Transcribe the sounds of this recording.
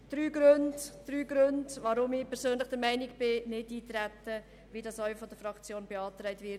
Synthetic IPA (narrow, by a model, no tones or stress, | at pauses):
d̥ɾyːɡɾøndd̥ɾyːɡɾøndʋɑɾʊmɪpʰɛɾsøːnləχd̥əɾmɛɪnɪkb̥ɪnɪdiːt̪ɾætːə | ʋidɑsœʏfɔd̥əfɾɑkt͡sjoːnbeɑːtɾɛɪtvɪt